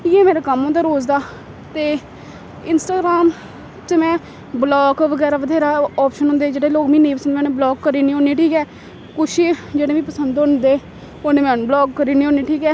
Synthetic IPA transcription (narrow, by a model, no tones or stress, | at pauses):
jeːmeːɾaːkəmːõːd̪aːɾoːzd̪aː | t̪eː | ɪnsʈaːɡɾaːm | t͡ʃəmɛ̃ː | blɔːkʋəɡɛːɾaːʋəd̪ɛːɾaːɔːpʃənɦʊ̃ːnd̪eːd͡ʒeːɽeːloːkmĩːnẽːpəsənd̪mɛ̃ːneːblɔːkːəɾiːnĩːɦõːniːʈʰiːkɛː | kʊʃiːd͡ʒeːɽeːʋĩːpəsənd̪ʊnd̪eː | oːneːmɛ̃blɔːɡkːəɾiːniːoːniːʈʰiːkɛː